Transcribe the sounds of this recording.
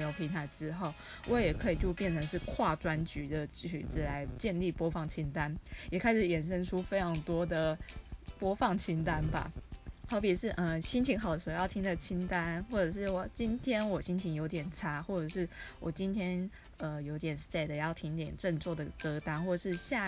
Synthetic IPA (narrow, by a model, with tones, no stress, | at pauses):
e˥jo˨˩ʊpʰi˧˥ŋt̪ʰa˨˩ɪʈ͡ʂɻ̩˥xo˥˩ʊ | wʔɔ˧˦jɛ˨˩kʰɤ˧˦˥i˨˩t͡ɕjo˥˧ʊpjɛ˥˩nʈ͡ʂʰə˧˦ŋʂ̬ɻ̩˥˧kʰwa˥˨ʈ͡ʂwa˦nt͡ɕy˧˥d̪ə˨t͡ɕy̰˨˩ʈ͡ʂɻ̩˥˩la˧˦˥ɪt͡ɕjɛ˥˧nli˥˩pwɔ˥fɑ˥˩ŋt͡ɕʰi˥nt̪a˦njɛ˨˩kʰa˥ɪʂɻ̩˨˩jɛ˨˩nʂə˥nʈ͡ʂʰu˥fe˥ɪʈ͡ʂʰɑ˧˥ŋt̪wɔ˥d̪ə˨pwɔ˥fɑ˥˩ŋt͡ɕʰi˥nt̪a˦nba̰˨t̪ɑ˥˩ʊpi˨˩ʂɻ̩˥˩ʔə˧ɕi˥nt͡ɕʰi˧˥ŋxɑ˨˩ʊd̪ə˩ʂ̩˧˥˧jɑ˥˩t̪ʰi˥ŋd̪ə˨t͡ɕʰi˥nt̪a˦nxwɔ˥˩ʈ͡ʂɤ˨˩ʂɻ̩˥˩wɔ˨˩t͡ɕi˥nt̪ʰjɛ˥nwɔ˨˩ɕi˥nt͡ɕʰi˧˥ŋjo˧˥ʊt̪jɛ˨˩nʈ͡ʂʰa˥xwɔ˥˩ʈ͡ʂɤ˨˩ʂɻ̩˥˩wʔɔ˨˩t͡ɕi˥nt̪ʰjɛ˥n | ə˨jo˧˥ʊt̪jɛ˨˩nsta˥˩ɪd̪ə˨jɑ˥˩ʊt̪ʰi˥ŋi˧˥t̪jɛ˨˩nʈ͡ʂə˥˧ŋt͡swɔ˥˩d̪ə˩kɤ˥t̪a˥nxwɔ˥˩ʈ͡ʂə˨˩ʂɻ̩˥˧ɕja˥˧